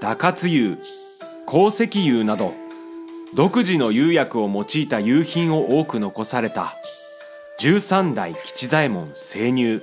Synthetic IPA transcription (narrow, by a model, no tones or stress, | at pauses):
d̪̥akat͡sɨjɯː | kʰo̞ːse̞kʲijɯːnad̪o̞̰ | d̪o̞kɯ̟ʑino̞jɯ̟ːjakɯ̟o̞mo̞t͡ɕiːt̪ajɯ̟ːçĩɰ̃o̞ʔoːkɯ̟no̞ko̞saɾe̞t̪a̰ | d͡ʑɨːsãnd̪a̰ikʲi̥t͡ɕizaimõ̞ñse̞ːɲ̟ʲɨː